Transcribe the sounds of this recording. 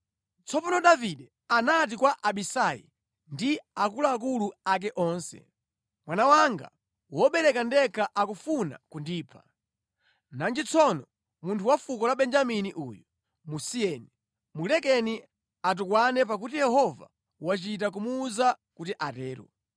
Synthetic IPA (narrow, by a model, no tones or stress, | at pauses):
t͡sʰɔpanɔɗaviɗɛ | anat̬ikwaʔaɓisajḭ | ndiakulaːk̬uluak̬ɛʔɔnsɛ̰ | mwanawaŋɡa̰ | wɔɓɛɾɛkandɛkʰaʔakufuna̰kundiːpʰḁ | nand͡ʒit͡sʰɔnɔ | muntʰuwafukɔlaɓɛnd͡ʒaminiʔujɔ | musiɛni | mulɛkɛni | at̬ukwanɛp̬ak̬utijɛhɔva̰ | wat͡ʃit̬ak̬umuːza | kutiʔatɛːɾɔ̰